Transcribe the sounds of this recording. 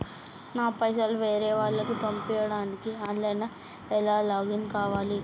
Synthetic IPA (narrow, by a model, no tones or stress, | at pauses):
naːpɐjs̬aːluʋeːɾɛːʋaːɭːɐkup̪ɐmpɛjɐɽaːnikianlɐjnɐ | ɛlaːlaːɡinkaːʋaːli